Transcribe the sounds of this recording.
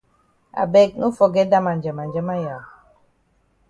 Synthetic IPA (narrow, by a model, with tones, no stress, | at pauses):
a̰˨bɛ˦˨k̚nu˦fɔ˨ɡɛ˨˦da˦ma˨nd͡ʒə˨ma˨nd͡ʒə˦ma˦ja˨w